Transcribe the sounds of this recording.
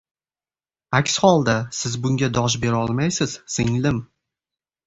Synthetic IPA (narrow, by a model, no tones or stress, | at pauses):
akʲshɒlˠd̪asɪzbʊŋɡʲad̪ɒʃ̬be̞ɾɒlˠmajsɪz̥sɪŋlɪm